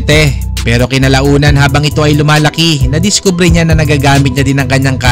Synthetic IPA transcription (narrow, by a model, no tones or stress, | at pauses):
t̪ɛ | pɛːɾo̞kɪnɐlɐʔuːnɐnɦaːbɐŋɪt̪o̞ʔɐjlʊmaːlɐkɪnɐd̪ɪskuːbɾɛɲanɐnɐɡaːɡaːmɪt̪̚ɲɐd̪ɪnɐŋkɐɲːaŋka